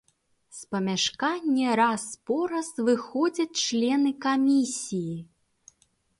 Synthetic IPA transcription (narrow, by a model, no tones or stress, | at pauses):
spɐmʲaʂkanʲːɛɾaspɔɾɐsvɨxɔd͡zʲɐt͡sʲt͡ʂlʲɛnɨkamʲisʲiji